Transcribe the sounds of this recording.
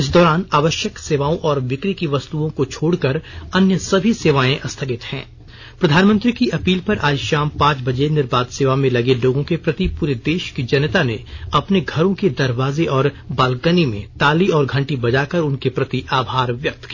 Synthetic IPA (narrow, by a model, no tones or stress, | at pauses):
ɪs̬d̪ɔːɾaːnaːʋəʃjəkseːʋaːõʔɔːɾʋɪkɾikiʋɐst̪uõkot͡ʃʰoːɽkɐɾɐnjəsɐbʱiseːʋaːẽʔɐst̪ʰəkɪt̪hɛ̰̃ː | pɾɐd̪ʱaːnmə̃nt̪ɾikiʔɐpiːlpɐɾʔaːʃaːmpãːt͡ʃbɐd͡ʒenɪɾbaːd̪seːʋamẽlɐɡeloːɡõkepɾɐt̪ipuːɾed̪eːʃkid͡ʒɐnət̪aneɐpneɡʱɐɾõked̪ɐɾʋaːzeʔɔːɾ | baːlkənimḛ̃t̪aːliɔːɾɡʱɐ̃ɳʈibɐd͡ʒaːkɐɾʊnkepɾɐt̪iʔaːbʱaːɾʋjɐk̚t̪ʰkiː